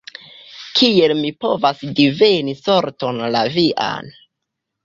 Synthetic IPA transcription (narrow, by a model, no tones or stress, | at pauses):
kʰie̞lmipo̞vasdive̞niso̞ɾto̞nlaviʔa̰n